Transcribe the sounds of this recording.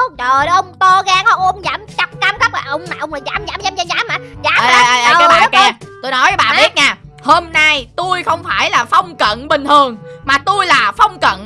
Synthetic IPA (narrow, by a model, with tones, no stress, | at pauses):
t͡ɕəː˨˩˨ʔə˧wŋ͡mt̪o˧ɣaː˧ŋə˧ŋ͡mzaː˧˦mt͡ɕa˦˥k͡p̚kaː˧mxa˦˥p̚laː˨˩ʔə˧wŋ͡mmaː˨ʔə˧wŋ͡mləː˨˩zaː˨˦mzaː˨˦mzaː˨˦mzaː˧zaː˨˦mːaː˨˩zaː˨˦˨ʔjʔa˧jʔa˧jaː˦ɓa̰ː˨˦kɛ˧t̪o˧jnɔ˨˦jɓa̰ː˨ɓi˦˥ət̚ɲaː˧˩ | ho˧mna˧jt̪u˧jxə˧wŋ͡mfaː˧˩jlaː˨˩fə˧wŋ͡mkə̰˧˨nɓï˨˩ŋ̟t̪ʰɨ˨˩əŋmaː˨˩t̪u˧jlaː˨˩fə˧wŋ͡mkə̰˧˨n